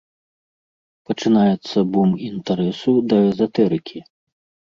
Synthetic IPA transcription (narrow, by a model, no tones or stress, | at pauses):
pɐt͡ʂɨnajɛt̪sːɐbumint̪aɾɛsud̪ɐɛzɐt̪ɛɾɨkʲʰi